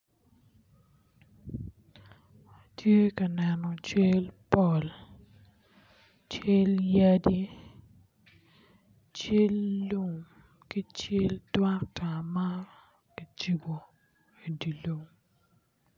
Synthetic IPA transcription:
tʰje˦kɐ˨nɛ˨nɔ˨t͡ʃe˦lpɔ˦˨l | t͡ʃe˦lja˦di˦ | t͡ʃe˦lːu˦˨m | ki˦t͡ʃe˦ldwa˦k̚ta˨ma˦ | ki˨t͡ʃi˨bo˨ | e˨di˨lo˨ŋ

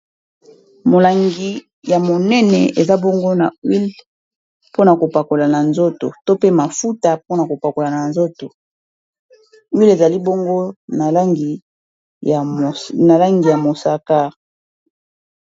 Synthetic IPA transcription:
mo˨la˨ŋɡi˨ | ja˨mo˨nɛ˦nɛ˨e˨za˦bo˦ŋɡo˦na˨wi˦l | po˦na˨ko˨pa˨ko˨la˨na˨nzo˦to˨to˦pe˦ma˨fu˦ta˨po˦na˨ko˨pa˨ko˨la˨na˨nzo˦to˨ | wi˦le˨za˨li˦bo˦ŋɡo˦na˨la˦ŋɡi˨ | na˨la˦ŋɡi˨ja˨mo˨sa˨ka˦

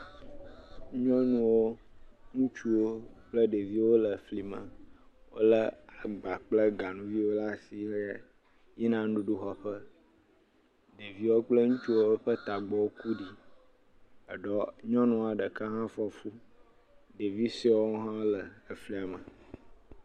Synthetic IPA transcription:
ɲɔ̃˦nũ˦wo˦ŋũ˦t͡ʃu˦wo˦k͡plə˦ɖe˨vi˦wo˦lə˨fli˨mə̰̃˨wo̰˦lə˦a˨ɡ͡ba˨k͡plə˦ɡa˨nũ˨vi˦wo˦la˦˨si˨ə˦ | ji˦nã˦ɖu˦ɖu˦xɔ˨ɸə˦ | ɖe˨vi˦wo˦k͡plə˦ŋũ˦t͡ʃu˦wo˦ɸə˦t̪a˨ɡ͡bɔ˨wo˦ku˦ɖi˦ | ə˨ɖɔ˦ɲɔ̃˦nũ˦a˨ɖə˨ka˦ɦã˦fɔ˦fu˦ | ɖe˨vi˦swo˦ɦã˦lə˨ə˨fli˦a˨mə˨

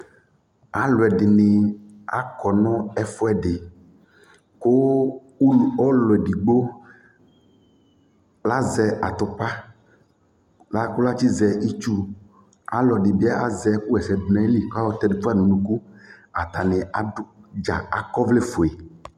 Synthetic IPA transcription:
a˨lo˨ɛ˨ɖɪ˨nɪ˨ | a˦kɔ˨nɔ̃˦ɛ˨fɔ˦ɛ˨ɖɪ˨ | ko˦ | u˦lu˨ɔ˦lɔ˨ɛ˨ɖi˨ɡ͡bo˦ | la˦zɛ˨ʔa˨t̪ʊ˨pa˦ | la˦ko˦la˦t͡ʃi˦zɛ˨i˦t͡ʃu˦ | a̰˨lɔ˨ɖɪ˨bi˦a˦a˦zɛ˨ku˦ɛ˨sɛ˨dʊ˨nɛ̃˦li˨ka˦wɔ˦t̪ɛ˨du˨˦pu˦a˦nũ˨nũ˨ku˦a˨t̪a˨ne˨a˨dd͡ʒa̰˨a˨kɔ˦vle˦fo˨e˨

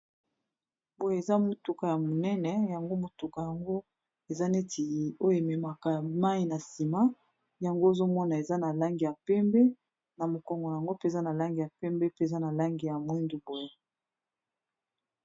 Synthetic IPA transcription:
bo˨je˦e˨za˦mo˦tu˦ka˨ja˨mo˨nɛ˦nɛ˨ja˨ŋɡo˦mo˨tu˨ka˨ja˨ŋɡo˦ | e˨za˦ne˦ti˨o˦jo˦˨e˨mɛ˨ma˨ka˨ma˦i˨na˨si˨ma˦ | ja˨ŋɡo˦e˨zo˦mɔ˦na˨e˨za˦na˨la˦ŋɡi˨ja˨pɛ˦mbɛ˦ | na˨mo˨kɔ˨ŋɡɔ˨na˨a˨ŋɡo˦pe˦˨za˦na˨la˦ŋɡi˨ja˨pɛ˦mbɛ˦pza˦na˨la˦ŋɡi˨ja˨mwi˦ndu˨bo˨je˦

